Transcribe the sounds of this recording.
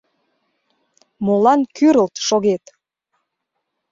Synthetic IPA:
molɑnkyɾəlt̪ʃoɣet̪

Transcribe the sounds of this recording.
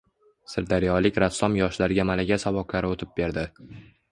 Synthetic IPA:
sɪɾd̪aɾjɒlɪkʲɾasːɒmjɒʃlaɾɪɡʲamalaɡʲasavɒkʰlaɾɪot̪ʰɪp̚be̞ɾd̪ɪ

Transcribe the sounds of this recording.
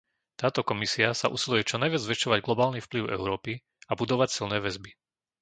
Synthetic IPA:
t̪aːt̪ɔkɔmisiasa̰ʔṵsilujɛt͡ʃɔnajʋɪad͡zzʋɛʃɔʋaɟɡlɔbaːlnifpliʊɛ̰ʊɾɔːpi | abud̪ɔʋacsilnɛːʋɛzbi

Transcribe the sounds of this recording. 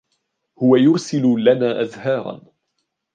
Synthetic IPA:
hʊwajʊɾsɪllanaːʔaðhɑːɾˤɑ̰n

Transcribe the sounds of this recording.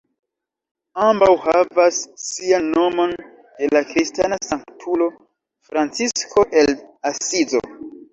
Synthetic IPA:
ambawhavasːianːo̞mo̞n | d̥e̞lakɾistanasaŋktʰulo̞ | fɾant͡siskʰo̞ʔe̞lasizo̞̰

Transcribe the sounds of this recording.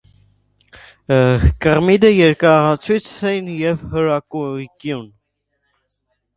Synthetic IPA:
kəʁmid̪əjɛɾkɑɑt͡sʰujt͡sʰɛjinjɛvhəɾɑkukjun

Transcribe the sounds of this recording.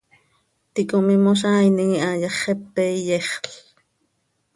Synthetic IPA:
t̪ikomimoʃ̬aːjniŋiʔajɑχɛpːɛjɛχɬ

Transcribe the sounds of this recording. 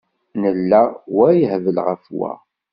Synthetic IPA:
nəlːawæjəhvəlʁəfwæ̰

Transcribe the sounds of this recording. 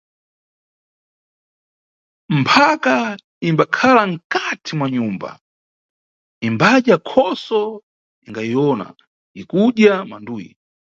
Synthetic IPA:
m̩pʰaka | imbakʰalaŋ̩katʰimwaɲumba̰ | imbaɗjakʰɔsɔ | iŋɡajiɔna̰ | ikuɗjama̰nduːjḭ

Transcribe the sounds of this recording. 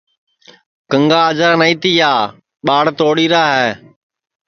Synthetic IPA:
kəŋɡaːəd͡ʒaːnəĩːt̪iːjaː | ɓaːɽt̪oːɽiːɾaːɦɛː

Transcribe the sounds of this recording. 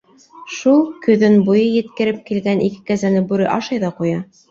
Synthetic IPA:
ʃulˠkɵ̆ðɘnbujɤjɘ̆t̪kɘ̆ɾɘp̚kilɡænʔikɘ̥kæzænɘbʉɾɘʔɑʃɑjðɑqujɑ

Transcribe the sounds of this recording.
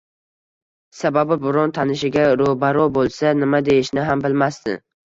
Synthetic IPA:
sababɪbʊɾɒnt̪ʰanɪʃɪɡʲaɾobaɾɒbolˠsanɪmad̪e̞jɪʃnɪɦambɪlmast̪ɪ̰

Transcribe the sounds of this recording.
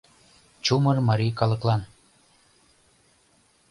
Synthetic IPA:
t͡ɕumɤrmɑɾʲikɑlɤ̆klˠɑn

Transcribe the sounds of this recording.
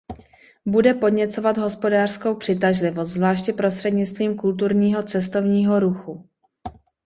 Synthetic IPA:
budɛpo̞dɲɛt͡so̞vad̪ɦo̞spo̞daːr̥sko̞wpr̥ɪt̪̬aʒlɪvo̞st̪zvlaːʃcɪpɾo̞st̪r̥ɛdɲɪt͡st̪viːmkult̪̬uɾɲiːɦo̞t͡sɛst̪o̞vɲiːɦo̞ɾuxu

